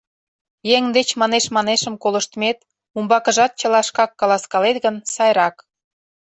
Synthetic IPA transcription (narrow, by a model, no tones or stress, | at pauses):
jeŋd̪et͡ɕmɑneʃmɑneʃə̆mkoləʃt̪met̪ | umbɑkə̆ʒɑt̪̚t͡ɕə̆lɑʃkɑkːɑlɑskɑlet̪ɡənsɑjɾɑk